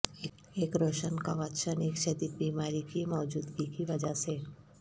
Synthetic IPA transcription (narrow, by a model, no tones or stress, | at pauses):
eːkɾoːʃənkaʋat̪ʃəneːkʃɐd̪iːt̪̚biːmaːɾikimɔːd͡ʒuːd̪ɡikiʋɐd͡ʒase